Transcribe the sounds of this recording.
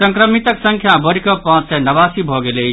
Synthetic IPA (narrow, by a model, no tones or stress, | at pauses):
səŋkɾəmit̪əksəŋkʰjabəɾkɔpãt͡ʃsɛnəbasibʱɔɡele